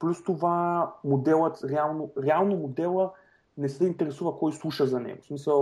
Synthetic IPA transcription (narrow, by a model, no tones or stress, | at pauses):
plʲust̪ovamod̪ɛlˠət̪ɾɛalˠnoɾɛalˠnomod̪ɛlˠə | nɛsɛint̪ɛɾɛsuvɐkɔjslˠuʃəzɐnɛ̰ɡʊsmisəlˠ